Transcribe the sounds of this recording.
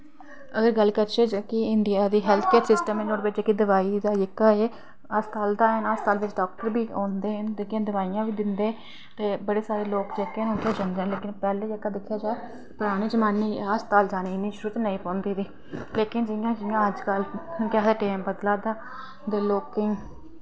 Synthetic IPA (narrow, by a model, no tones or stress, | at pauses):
əɡəɾɡəlːkəɾt͡ʃeːd͡ʒkɪɪnd̪ɪjaːd̪iːɦɛːlt̪ʰkeːɾsɪsʈəmɪnõːɾbɪt͡ʃekːid̪əʋaːiːd̪aːɪkːaːeː | əst̪aːld̪aːɦənast̪aːlʋɪt͡ʃɖɔːk̚ʈəɾbiːãːnd̪eːɦənd̪ɪkãːd̪əʋaːijãːʋiːd̪ɪnd̪eː | t̪eːbəɽeːsaːɾeːloːkd͡ʒeːkːenʊ̃nd̪eːd͡ʒənd̪eɛ̃leːkɪnpɛːleːɪkːaːd̪ɪkʰːjaːd͡ʒaːe | pʊɾaːɽ̃iːd͡ʒəmaːnːiːaːst̪aːld͡ʒaːniːɪnːĩːʃʊɾuːt̪nəĩːpɔ̃ːnd̪iːd̪iː | leːkɪnd͡ʒɪjãːd͡ʒɪjãːəd͡ʒkəlkɛd̪eːʈeːmbəd̪laːd̪aː | d̪eːloːkːəĩː